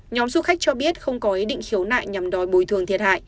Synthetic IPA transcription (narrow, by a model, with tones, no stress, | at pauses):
ɲɔ˨˦mzu˧xa˦˥k̟̚t͡ɕɔ˧ɓi˦˥ət̚xə˧wŋ͡mkɔ˨˦ʔi˨˦ɗḭ̈˧˨ŋ̟xi˨˦əwna̰ː˧˨jɲa˨˩mɗɔ˨˦jɓu˨˩jt̪ʰɨ˨˩əŋt̪ʰi˨˩ət̚ha̰ː˧˨j